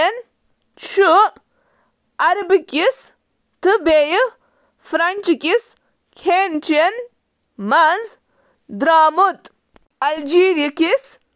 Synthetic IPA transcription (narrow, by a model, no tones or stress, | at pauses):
en | t͡ʃʰu | ɐɾbikʲis | t̪ɨbeji | fɾanʲt͡ʃkʲis | kʰent͡ʃien | manz | d̪ɾaːmut̪ | ɐld͡ʒiːɾiikis